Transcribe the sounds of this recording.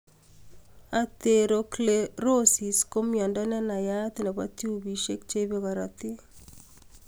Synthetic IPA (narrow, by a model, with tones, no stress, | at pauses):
a˨t̪e˨ɾo˨kle˦ɾo˦si˨sko˦mjɔ˨ndɔ˦nɛ˦na˨ja˦t̪ɪ˦nɛ˨βa˦tju˦bi˨ʃe˦kt͡ʃe˦βe˦ɣa˨ɾɔ˨t̪ɪ˦